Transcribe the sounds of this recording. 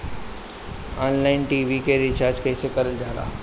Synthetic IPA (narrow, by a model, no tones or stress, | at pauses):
aːnlaːɪnʈiːʋikeɾit͡ɕaːɾd͡ʑkeːsekɐɾəld͡ʑaːla̰ː